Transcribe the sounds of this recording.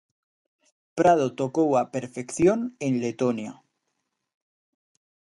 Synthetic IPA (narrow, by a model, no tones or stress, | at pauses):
pɾað̞ot̪okowapeɾfekθjonenlet̪onja